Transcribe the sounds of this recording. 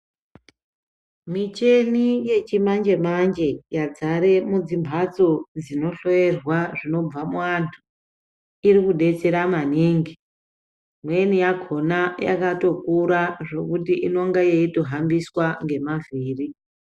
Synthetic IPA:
mit͡ʃe̞nije̞t͡ʃimand͡ʒe̞mand͡ʒe̞jad͡zaɾe̞mud͡zimbʱat͡so̞d͡zino̞ɬo̞e̞rwaʐino̞b͡vamuantʰu̥ | irikuɗe̞t͡se̞ɾamaniːŋɡi | mwenijaɡʱo̞naja̰kato̞kuɾaʐo̞kutiʔino̞ŋɡajeito̞ɦambiswaŋɡe̞maviːri

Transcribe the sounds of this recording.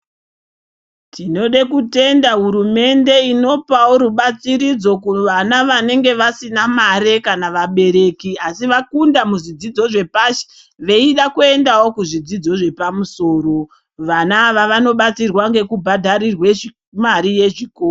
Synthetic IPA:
tino̞ɗekute̞ndaɦuɾume̞nde̞ino̞pawoɾuɓat͡siɾid͡zo̞kuʋanaʋane̞ŋɡe̞ʋasinamaɾe̞kanaʋaɓe̞ɾe̞kiasiʋakundamuʐid͡zid͡zo̞ʐe̞paʃe̥ | ʋe̞iɗakue̞ndawo̞kuʐid͡zid͡zo̞ʐe̞pamuso̞ːɾo̞ | ʋanaːʋaʋano̞ɓat͡sirwaŋɡe̞kubʱadʱaɾirwe | maɾije̞ʐikoːro

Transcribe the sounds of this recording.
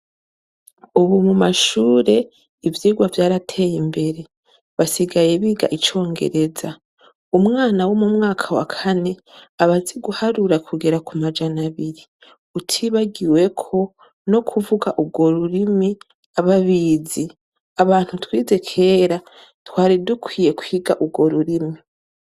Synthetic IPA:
uβumumaʃuːɾe̞ | ivjiːɡwavjaːɾatʰe̞ːjimbe̞ɾe̞ | βasiɡaje̞βiːɡa̰ʔit͡ʃo̞ːŋɡe̞̰ɾe̞za | umŋaːnawo̞mumŋaːkʰawa̰kʰane̞aβaziɡuhaɾuɾakʰuɡe̞ɾakumad͡ʒanaβiɾi | utʰiβaɡiwe̞kʰo̞ | no̞kʰuvuɡaʔubɡo̞ɾuɾimi | aβaβiːzi | aβaːn̥hutwiːze̞kʰe̞ːɾa | twaːɾidukwiːje̞kwiːɡaʔuɡo̞ɾuɾimi

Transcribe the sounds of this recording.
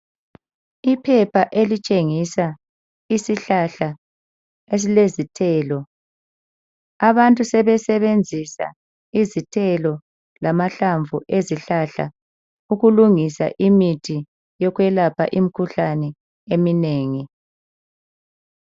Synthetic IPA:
ipʰɛpʰaʔelit͡ʃʼeŋisa | isiɬaɬa | es̬ilezitʰɛːlɔ | aβantʼusɛβɛsɛβend͡zʱisa̰ | izitʰɛlɔ | lamaɬaɱvuʔeziɬaɬa̰ | uɣuluŋisa̰ʔimitʰʼi | jɔɣwɛlapʰa̰ʔimikʰuɬanɛ | emineːŋi

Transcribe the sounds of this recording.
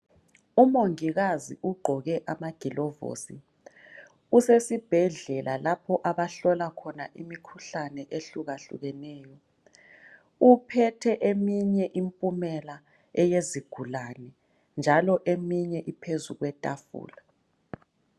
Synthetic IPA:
umoŋiɣazḭʔuɡ͡ǃʱɔɣɛʔamaɡ̥ʱilɔvo̰sḭ | usesib̥ʱɛɮɛlʔalapʰɔʔaβaɬɔlakʰɔnaʔimikʰuɬanɛʔeɬuɣaɬṵɣɛnɛːjɔ | upʰɛtʰɛʔemiɲɛʔimpʼumɛla | ɛjeziɡ̥ʱulanɛ | nd͡ʒʱalɔʔemiɲɛʔipʰezuɣwɛtʼafṵːla

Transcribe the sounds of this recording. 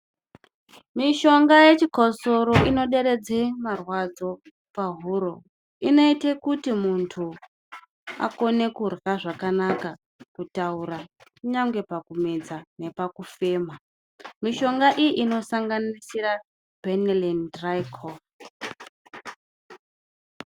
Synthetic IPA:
miʃo̞ŋɡaje̞t͡ʃikoso̞ɾo̞ʔino̞ɗe̞ɾe̞d͡zemarwad͡zo̞ | paɦuɾo̞ | ino̞itekutimuntʰu | a̰ko̞ne̞kurɣaʐakanaka | kutauɾakuɲaŋɡe̞pakumed͡zane̞pakufe̞ːma | miʃo̞ŋɡaʔijiʔino̞saŋɡanisira | b̥ʱenalendrajkʰo

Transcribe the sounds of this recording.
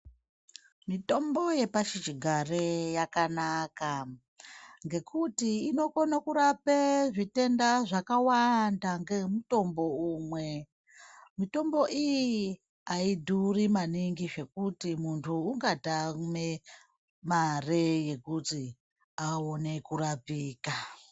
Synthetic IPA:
mito̞mbo̞je̞paʃit͡ʃiɡʱarejakanaka | ŋɡe̞kutiːno̞konakuɾapeʐite̞ndaʐakawandaŋɡe̞muto̞mbo̞umwe̞ | mito̞mbo̞ʔijji | aidʱurimaniŋɡiʐe̞kutimuntʰuːŋɡatame | mareje̞kuti | aone̞kuɾapiːka

